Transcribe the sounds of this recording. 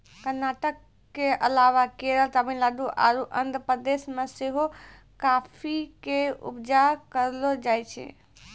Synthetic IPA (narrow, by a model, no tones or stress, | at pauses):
kəɾnaʈəkː | eəlaʋakeɾəlt̪abinlaɖ̪uʔa̰ɾuʔə̰nd̪pɾəd̪esmeseɦo | kapʰikeṵpd͡ʒakəɾlod͡ʒajt͡ʃʰɛ̰